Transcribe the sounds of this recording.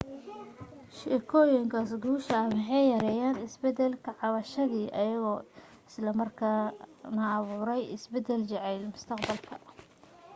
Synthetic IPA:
ʃɪkʰɔːjɐŋkʰɐsɡuːʃɐːmɑħɑjjɐɾɛːjaːnɪsbɛd̪ɛlkʰɐʕɑβɐʃɐðiːʔɐ̰jɐɣɔː | ɪslɐmɐrkʰaːnɐːβuːɾɛjɪsbɛd̪ɛlt͡ʃɛʕɛjlmʊst̪ʰɑqbɐlkʰɐ̥

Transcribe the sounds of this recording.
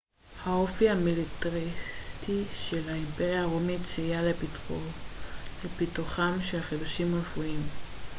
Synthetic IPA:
haofihamilitaʁit̪iʃelhaimpeʁjaaʁomitt͡sijal | lepit̪uχamʃelχiduʃimʁefuim

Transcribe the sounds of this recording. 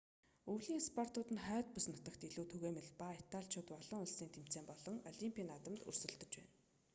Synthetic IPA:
uwɮiːŋspʰɔr̥t̪ʊːt̪ɘ̆nχœːt̪̚pusnɔt̪ə̆kt̪iɮuːt̪ʰɵɣeːmĕɮpait̪aɮt͡ɕʰʊːt̪ɔɮɞ̆ŋʊɮsiːnt̪ʰem̥t͡seːmpɔɮɞ̆ŋɔɮimpʰʲiːnat̪ə̆mt̪ɵ̰rsɵ̆ɮt̪ɵ̆t͡ɕpæ̰ːn

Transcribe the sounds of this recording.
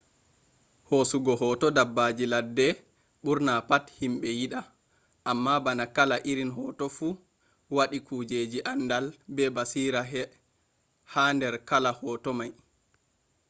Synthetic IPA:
hosuɡɔɦɔtɔdabːad͡ʒiladːɛ | ɓuɾnapathimɓɛjiɗa | ʔamːabanakalaʔiɾinɦɔːtɔfu | waɗikuːd͡ʒed͡ʒiʔandalbɛbasiːɾaɦɛ | handɛɾkalahɔtɔmaj

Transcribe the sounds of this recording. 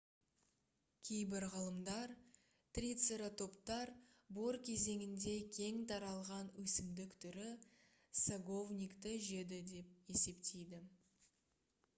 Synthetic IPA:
kʲʰejbɪɾʁɑlˠəmd̪ɑɾ | t̪rʲit̪seɾat̪ʰo̞pt̪ɑɾbo̞ɾkʲʰe̞ze̞ŋɪnd̪e̞kʲʰe̞ŋt̪ʰɑɾɑlˠʁɑnwɵsɪmd̪ɪkt̪ʰʏɾɪ | saɡo̞vnʲijkt̪əʒe̞d̪ɪd̪e̞p̚e̞se̞pt̪e̞jd̪ɪ

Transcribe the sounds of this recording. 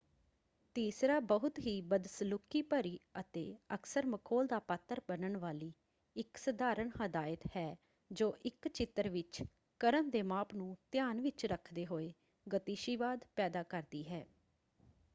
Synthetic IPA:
t̪iːsɾaːbəɦʊt̪ɦiːbəd̪səlʊkːiːpəɾiːət̪ḛːəksəɾməkʰoːld̪aːpaːt̪ːəɾbənəɳʋaːliː | ɪksəd̪aːɾəɳɦəd̪aːɪət̪hɛː | d͡ʒoːʔɪkt͡ʃɪt̪əɾʋɪt͡ʃ | kəɾənd̪eːmaːpnũːt̪ɪjaːnʋɪt͡ʃɾəkʰd̪eːɦoːeː | ɡət̪iːʃiʋaːd̪pɛːd̪aːkəɾd̪iːɦɛː

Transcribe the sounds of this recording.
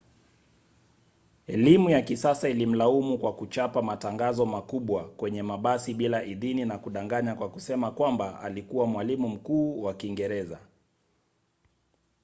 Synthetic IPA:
ɛlimujakisasailim̩laumukwakut͡ʃapamataŋɡazɔmakuɓwakwɛɲɛmaɓasiɓilaʔiðininakuɗaŋɡaɲakwakusɛmakwambaa̰likuwamwalimum̩kuːwakiŋɡɛɾɛza

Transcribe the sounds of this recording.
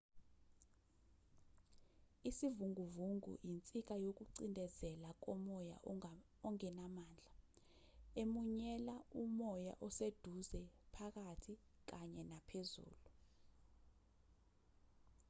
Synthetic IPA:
isivuŋuvuŋṵjint͡sʼik̬ajok̬uǀindʱɛzɛlak̬ɔmɔja̰ | ɔŋɛnamaːnd͡ɮʱa | emuɲɛlaumɔja̰ʔɔsed̥ʱuzɛpʰak̬atʰik̬aɲɛnapʰezṵːlu

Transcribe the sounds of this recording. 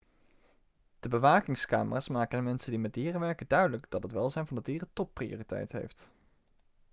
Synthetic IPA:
d̥əbəʋaːkɪŋska̰ːməraːsmaːkənəmɛnsəndimɛt̚diːrəʋɛɹkədœɥdələɡdɑtɦətʋɛlˠzɛjnvɑndədiːrətɔppːrio̰ːritɛ̰jtɦḛjft

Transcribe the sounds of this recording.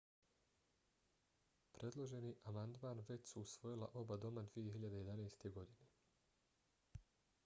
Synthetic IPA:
pɾʔe̞d̪lˠo̞ʒe̞niʔamand̪maːnʋe̞t͡ɕsuːsʋo̞jilˠa̰ʔo̞bad̪o̞mad̪ʋije̞ɦiʎad̪e̞jed̪aneːst̪e̞ɡo̞d̪ine̞

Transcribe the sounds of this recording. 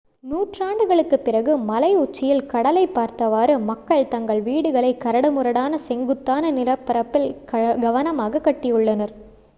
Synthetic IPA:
nuːʈraːɳɖɯɣɐɭɯkːɯpːɪrɐɣɯmɐlɐɪʊt͡ʃːɪjɪlkɐɽɐlɐɪpːaːɾt̪ɐʋaːɾɯmɐkːɐɭt̪ɐŋɡɐɭʋiːɽɯɣɐɭɐɪkːɐɾɐɽɐmʊɾɐɽaːnɐsɛŋɡɯt̪ːaːnɐnɪlɐpːɐɾɐpːɪlɐɡɐʋɐnɐmaːɣɐkːɐʈːɪjɯɭːɐnɐɾ

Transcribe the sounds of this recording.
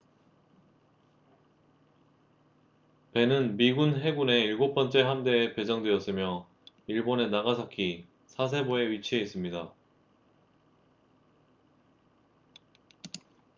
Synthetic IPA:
pe̞nɯnmiɡunɦe̞ɡune̞iɭɡop͈ʌnt͡ɕ͈e̞ɦamde̞ːpe̞d͡ʑʌŋdwe̞ʌs͈ɯmjʌ | iɭbone̞naɣasʰʌkʰi | sʰas̬ʰe̞boe̞ɥit͡ɕʰie̞is͈ɯmɲida

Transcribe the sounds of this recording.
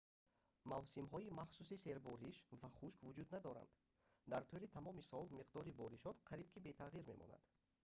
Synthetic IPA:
mavsimɦɔimaχsusise̞ɾbɔɾiʃvaχuʃkvud͡ʒud̪nad̪ɔɾa̰nd̪ | d̪aɾt̪ʰulit̪ʰamɔmisɔlmiqd̪ɔɾibɔɾiʃɔt̪qʰaɾibkʰibe̞t̪ʰaʁiɾme̞mʔɔ̰na̰d̪̥

